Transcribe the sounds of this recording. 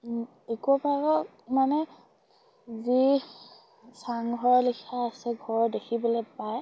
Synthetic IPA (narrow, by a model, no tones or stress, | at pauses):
ekuɔpaɹɔ | manɛ | zi | saŋɡʱɔɹlikʰaːsɛɡʱɔɹɔdekʰibɔlɔpaj